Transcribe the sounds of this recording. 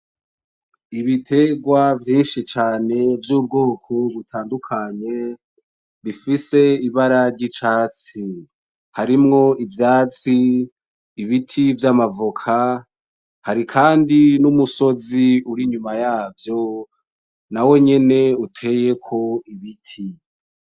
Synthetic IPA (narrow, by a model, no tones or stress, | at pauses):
iβitʰe̞ɡwavjiːnʃit͡ʃaːne̞vjuːb̚ɡo̞ːkʰo̞βutʰaːndukʰaɲe̞ | βifise̞iβaɾaɾɟit͡ʃaːt͡si | haɾimŋo̞ʔivjaːt͡siː | βitʰivjamavukʰa | haɾikʰaːndinumuso̞ziuɾiɲumajaːvjo̞ | nawe̞ɲe̞ne̞utʰe̞je̞kʰo̞iβitʰi